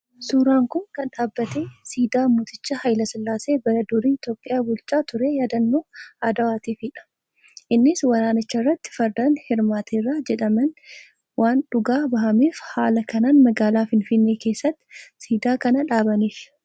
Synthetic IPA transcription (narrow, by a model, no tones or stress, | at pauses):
suːɾaːŋkʊnkɐnᶑaːbːɐt̪eːsiːd̪aːmʊt̪ɪt͡ʃːɐhɐjlɐsɪlːaːse̞ːbɐɾɐd̪ʊɾiːɪt̪jo̞ːpʼːɪjaːbʊlt͡ʃʼaːt̪ʊɾeːjaːd̪ɐnːoːad̪ɐwaːt̪iːfɪᶑɐ̥ | ʔɪnːɪswɐɾaːnɪt͡ʃːɐrːɐt̪ːɪ̥fɐɾd̪ɐnhɪɾmaːt̪ʰeːrːaːd͡ʒɛᶑɐmɐn | wʔaːnᶑʊɡaːbɐɦɐmeːfhaːlɐkɐnaːnmɐɡaːlaːfɪnfɪnːeːke̞ːsːɐt̪ːɪ̥siːd̪aːkɐnɐᶑaːbɐniːf